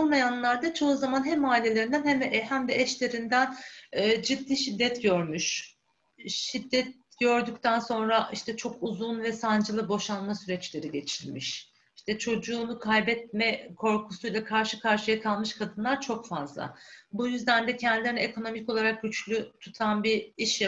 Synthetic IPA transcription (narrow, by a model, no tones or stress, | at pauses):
olˠmajanlˠaɾd̪at͡ʃʰo̞uzamanɦɛmaːilʲːe̞lʲeɾind̪ænhɛmhæmd̪ɛɛʃlʲe̞ɾind̪ænɛːd͡ʒid̪ːiːʃid̪ːɛt̪ɟøɾmyʃ | ʃid̪ːɛt̪̚ɟ̥ø̞ɾd̪ycʲt̪ʰænso̞nɾaʔiʃt̪ʰɛt͡ʃʰo̞kuzunvɛsand͡ʒɯlˠɯbo̞ʃanmasyɾɛt͡ʃlʲe̞ɾiɟe̞t͡ʃʰilʲmiʃ | iʃt̪ʰɛt͡ʃʰo̞d͡ʒuːnukʰajbɛt̪̚mɛkʰo̞ɾkʰusujlˠakʰaɾʃɯkʰaɾʃɯjakʰalˠmɯʃkʰad̪ɯnlˠaɾt͡ʃʰo̞kfazlˠa̰bujyzd̪ænd̪ɛcʰɛnd̪ilʲeɾinekʰo̞no̞mico̞lˠaɾak̚ɟyt͡ʃlʲyt̪ʰut̪ʰanbiiʃja